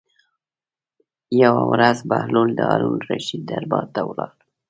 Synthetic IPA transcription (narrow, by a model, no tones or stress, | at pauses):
jawawɾazbahluld̪əɑɾunɾaʃid̪d̪aɾbɑt̪awlɑɾ